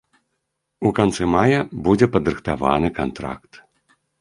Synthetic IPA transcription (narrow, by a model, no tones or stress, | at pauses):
ukant̪sɨmajɐbud͡zʲɛpɐd̪ɾɨxt̪ava̰nɨkant̪ɾa̰kt̪